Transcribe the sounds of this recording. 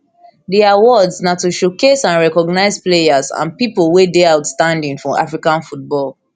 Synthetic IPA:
diawɔdznatuʃokesãnɹɛkɔɡnaɪzplejazã̰npiplwedeaʊtstãndĩŋfɔʔa̰fɹikãnfut̚bɔl

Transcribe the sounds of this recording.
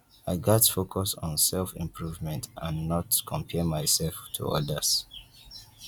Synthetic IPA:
aɪɡɛtfokʰɔsɔ̃nsɛlfḭ̃mpʰɹuvmɛ̃ntãnːɔtkʰɔ̃mpʰɛmaɪsɛlftʰṵɔ̰dəs

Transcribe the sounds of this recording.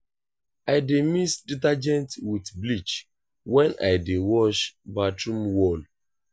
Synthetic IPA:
ajdemisditad͡ʒɛ̃ntwitblit͡ʃ | wɛ̃na̰jdewɔʃbatɹũmwɔl

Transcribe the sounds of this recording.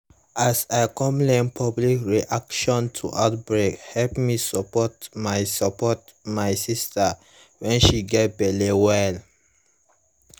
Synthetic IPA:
asaɪkɔ̃mlẽmpʰɔblikɹiʔakʃɔ̃ntʰṵʔaʊt̚bɹekhɛlpmisɔpɔtmaɪsɔpɔt | majsista | wɛ̃nʃiɡɛt̚bɛlewɛl

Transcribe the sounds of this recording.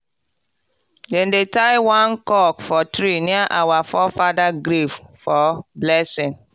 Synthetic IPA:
dɛ̃ndetajwãnkɔkfɔtɾiniaʔawafɔfadaɡɾiffɔblɛsĩŋ

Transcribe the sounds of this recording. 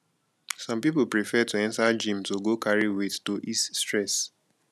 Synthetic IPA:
sɔ̃mpiplpɹifɛtuɛ̃ntad͡ʒĩmtoɡokaɹiwettoʔisstɹɛs

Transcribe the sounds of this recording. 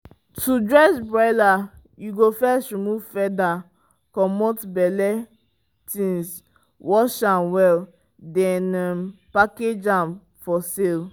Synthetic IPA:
tudɹɛsbɹaɪla | juɡofɛsɹimuvfɛda | kɔmɔtbɛlɛ | tĩns | wɔʃãnwɛl | dɛ̃napaked͡ʒãm | fɔsel

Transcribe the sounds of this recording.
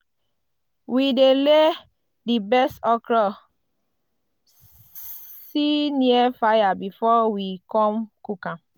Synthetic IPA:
widele | dibɛstɔkɹɔ | siniɛfajabifɔwikɔ̃mkukã

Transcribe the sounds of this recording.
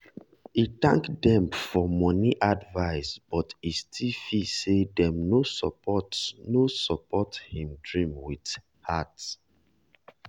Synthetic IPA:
itã̰ŋkdɛ̃mfɔmɔniʔadvaɪsb̥ɔtistʰifisedɛ̃mnosɔpɔtnosɔpɔthĩmdɹĩmwit | hat

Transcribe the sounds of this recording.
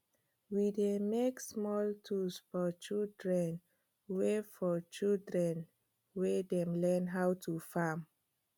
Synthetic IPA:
widemeksmɔltʰusfɔt͡ʃildɹɛ̃n | wefɔt͡ʃildɹɛ̃n | wedɛ̃mlɛnɦawtʰufam

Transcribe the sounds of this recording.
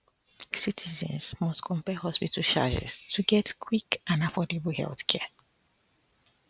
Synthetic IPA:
sitʰizɛ̰̃nsmɔstkʰɔ̃mpɛhɦɔspitəʃa̰d͡ʒɛ̰stʰuɡɛtkʰwikãnafɔdebəhɛ̰lθkʰɛ

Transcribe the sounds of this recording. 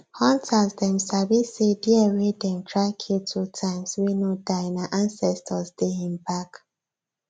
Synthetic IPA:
hɔ̃ntʰazdɛ̃msabisediəɹedɛ̃mtɹaɪkʰiltʰutʰãɪ̃mswinodaɪnaʔãnsɛstʰɔztehĩmbak

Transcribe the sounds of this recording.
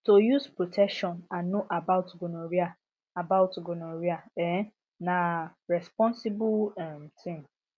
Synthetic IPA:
tojuspɾotʰɛkʃɔ̃nãnːõʔabaʊtɡonõɾia | abaʊtɡʊnõɾiaɛ̃ | nãɹɛspɔ̃nsibʊlɛm̩tʰɪ̃m

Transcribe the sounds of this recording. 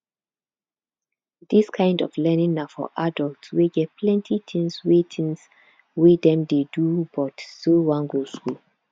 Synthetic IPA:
diskʰãɪ̃ndɔ̰flɛnĩŋafɔ̰ʔadɔltsweɡɛt̚pʰlɛ̃ntʰitʰĩŋswetʰĩŋs | widɛ̃mdedubɔtsowãŋɡoskul

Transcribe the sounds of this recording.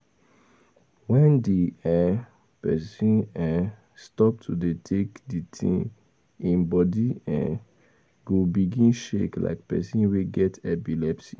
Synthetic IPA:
wɛ̃ndiɛ | pɛsĩnɛ | stɔp̚tʰudetʰekditʰḭ̃ | ĩnbɔdiɛ̰̃ | ɡobiɡĩnʃekla̰ɪk̚pɛ̰sĩnweɡɛtɛpilɛpsi

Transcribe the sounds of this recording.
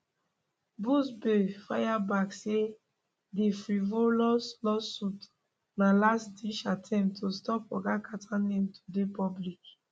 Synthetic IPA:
busbefajabakse | defɾivolɔslɔsut | nalasdiʃatʰɛ̃mptʰostɔpɔ̰ɡakatʰanemtʰu̥depɔblik

